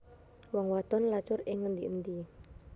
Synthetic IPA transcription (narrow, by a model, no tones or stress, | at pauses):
wɔŋwat̪ɔnlat͡ʃʊrɪŋːənd̪ḭʔənd̪i